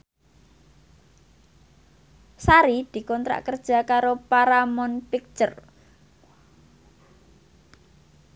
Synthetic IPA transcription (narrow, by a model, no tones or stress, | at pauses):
saɾid̪̥i̤kɔnt̪ɾa̰ʔkərd̥ʒ̥a̤kaɾopaɾamɔnpik̚t͡ʃər